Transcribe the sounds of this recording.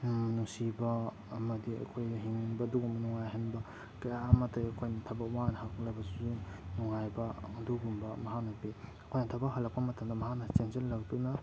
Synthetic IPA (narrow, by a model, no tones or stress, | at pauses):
nusibɐː | mɐdiɐ̰kʰojɦiŋbɐːduɡumbɐnɔŋajɦanbɐ | kɐjamɐtɐɐkʰojnɐtʰɐbɐwanɦaklɐbɐsuzunɔŋajbɐɐduɡumbɐmɐɦak̚nɐpiɐkʰojnɐtʰabaɦɐlɐk̚pɐmɐtʰɐmdɐmɐɦaknɐt͡ʃenzelːaɡtuna